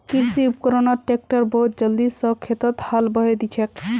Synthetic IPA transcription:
kiɾsiupkəɾonaʈek̚ʈəɾbəɦut̪̚d͡ʒəld̪isəkʰːjet̪ət̪halbəɦed̪it͡ʃʰɛk

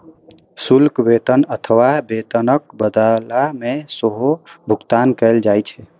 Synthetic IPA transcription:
sulkbet̪ənət̪ʰəʋabet̪ənək̚bəd̪alamesoɦobʱukt̪ankəld͡ʒajt͡ʃʰɛ

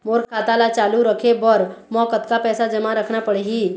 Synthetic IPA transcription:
moːɾkʰaːt̪alat͡ʃaːluɾəkʰebəɾmɔːkət̪kapɛːsad͡ʒəmaɾəkʰnapəɽeɦi

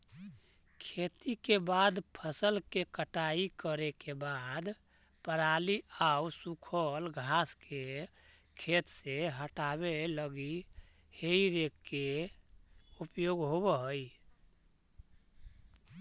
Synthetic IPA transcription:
kʰet̪ikebad̪pʰəsəlkekəʈaikəɾekebad̪ | pəɾaliausukʰəlɡʱaske | kʰet̪seɦəʈaβeləɡi | heiɾekːe | upjoɡɦoβəɦəj

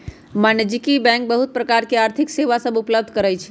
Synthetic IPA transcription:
manəd͡ʒikibɛ̃ŋk̚bəɦut̪̚pɾəkaɾkeaɾt̪ʰikseʋasəbupləb̚d̪ʱkəɾəjt͡ʃʰ

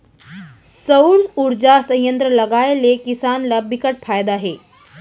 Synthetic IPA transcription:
səwɾuɾd͡ʑasə̃jjənt̪ɾələɡajlekisanlabikəʈ̚fajd̪aːɦe

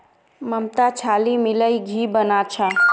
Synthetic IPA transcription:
məmt̪at͡ʃʰalimiləiɡʱibənat͡ʃʰa

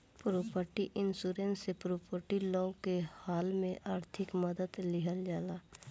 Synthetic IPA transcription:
pɾoːpəɾʈiʔɪnsuːɾẽːnsepɾoːpəɾʈilɔ̃ːkehaːlmẽʔaːɾt̪ʰɪkməd̪əd̪lɪɦəld͡ʒaːlaː

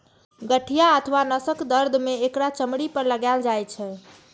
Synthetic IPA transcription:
ɡəʈʰːijaət̪ʰʋanəsəkd̪əɾd̪ʱmeːkɽat͡ʃəmɽipəɾləɡald͡ʒajt͡ʃʰɛ

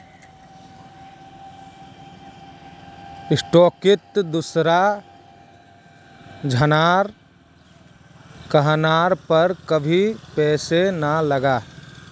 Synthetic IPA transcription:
ɪsʈoːkɪt̪d̪usɾa | d͡ʒʱənaːɾ | kəɦnaːɾpəɾkəbʱipɛːsenələɡaː

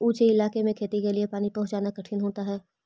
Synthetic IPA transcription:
uːt͡ʃeɪlaːkemẽkʰeːt̪ikeliepaːnipɐɦt͡ʃaːnakɐʈʰiːnɦoːt̪aɦɛː

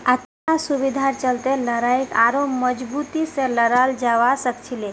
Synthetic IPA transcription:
ət̪ | asubid̪ʱaɾt͡ʃəlt̪eləɾajkaɾoməd͡ʒbut̪iseləɾald͡ʒaʋasəkt͡ʃʰile

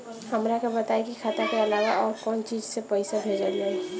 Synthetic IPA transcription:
həmɾakobət̪aːekikʰat̪akeəlaːɡaɔːɾkɔːnt͡ʃiːd͡ʒsepəɪsabʱeːd͡ʒəle

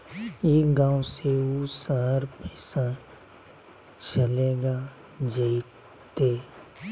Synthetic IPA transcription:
eɡãːõseuːsaːɾpɛːsa | t͡ʃəleːɡa | d͡ʒe | t̪eː

